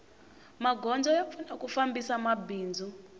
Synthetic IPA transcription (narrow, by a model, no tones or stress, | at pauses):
maɡʱɔnd͡zɔjap̪funakufambisamabiːnd͡zʱu